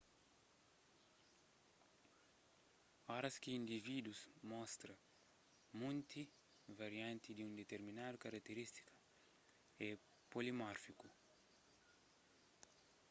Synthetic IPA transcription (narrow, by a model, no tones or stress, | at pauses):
ɔɾɐskiĩnd̪ivid̪uzmɔst̪ɾɐ | mũnt̪i | vaɾjãnt̪id̪iũnd̪et̪eɾminad̪ukaɾak̚t̪eɾist̪i̥kɐ | ɛ | polimɔɾfiku